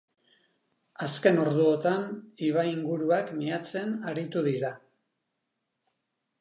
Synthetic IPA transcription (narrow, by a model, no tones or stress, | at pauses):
aske̞no̞ɾðuot̪aniβ̞aiŋɡuɾuakmiat͡se̞naɾit̪uðiɾa